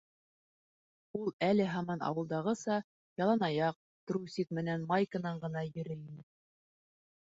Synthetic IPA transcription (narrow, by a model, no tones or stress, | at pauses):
ulˠælɘɦɑmɑnɑ̰wɤ̆lˠd̪ɑʁɤsɑ | jɑlˠɑnɑjɑq̚ | t̪ɾusik̪̚mɘ̆nænmɑjkɤ̆nɑɴɢɤ̆nɑjɵ̆ɾɘinɘ